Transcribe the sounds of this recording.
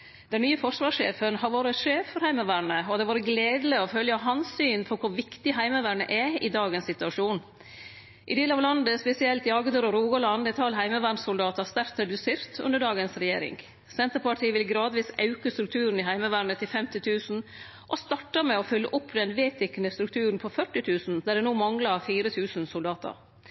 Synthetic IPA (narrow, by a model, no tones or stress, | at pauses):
d̪ɛnːyːəfɔʂʋɑːʂḛːfənhɑɾʋoːɾəɛʂeːfːɔɾhæɪməʋæːɳəɔd̪ɛʋɑːɾəɡleːd̪ləɔfœljɑɦɑnsyːnpʰɔkʰʊɾʋɪkt̪ɪɦæɪməʋæːɳə̰ʔɛɪd̪ɑːɡənsɪt̪ʉɑʂuːn | ʔɪd̪eːlɑʋlɑnd̪əspɛsɪɛlt̪jɑːɡəd̪øːɾɔɾuːɡəlɑnd̪ɛt̪ʰɑlːɦæɪməʋæɳsʊld̪ɑːt̪ɑst̪æɾt̪d̪ʉsɪɾt̪ʰʉ̰nd̪əɖɑːɡənsɾɛjḛːɾɪ̰ŋ | sɛnt̪əɾpɑʈʰiːʋɪlɡɾɑːd̪ʋiːsɑʉkəst̪ɾʉkt̪ʰʉːɾən̩ɪɦæɪməʋæɳət̪ʰɪlfɛmt̪ɪt̪ʰʉːsn̩ | ʔɔst̪ɑʈːəmɛɔfœlːəʔʊpːd̪ɛnʋeːt̪ɪkənəst̪ɾʉk̚t̪ʰʉːɾənpʰɔfœʈːɪt̪ʰʉːsn̩d̪æɖɛnuːmɑŋlɑfiːɾət̪ʰʉːsnsʊld̪ɑːt̪ʰə̰ɾ